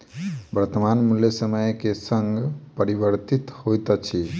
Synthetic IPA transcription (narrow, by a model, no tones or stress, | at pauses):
bəɾt̪ːəmanmuljəsəməjkesəŋɡpəɾibəɾt̪it̪hojt̪ət͡ʃʰi